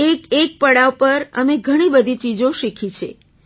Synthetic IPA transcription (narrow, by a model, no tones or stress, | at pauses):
ekek̚pəɽaʋpəɾə̰meɡʱəɽ̃ibəd̪ʱit͡ʃid͡ʒoʃikʰit͡ʃʰḛ